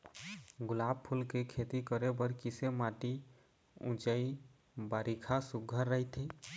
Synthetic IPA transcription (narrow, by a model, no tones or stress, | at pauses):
ɡulab̚pʰulkekʰet̪ikəɾebəɾkisemaʈi | ṵ̃t͡ʃəj | baɾikʰasuɡʱəɾːəɦjt̪ʰi